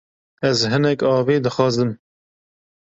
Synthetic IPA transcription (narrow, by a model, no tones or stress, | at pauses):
ɛzɦɨnɛkɑːveːd̪ɨxɑːzɨm